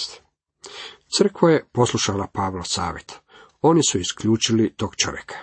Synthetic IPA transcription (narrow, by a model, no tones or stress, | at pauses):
t̪ | t̪sr̩kʋojepo̞slˠuʃalapaːʋlosa̰ːʋjet̪ | o̞nisuiskʎuːt͡ʃilit̪oːɡt͡ʃo̰ʋjḛkʰḁ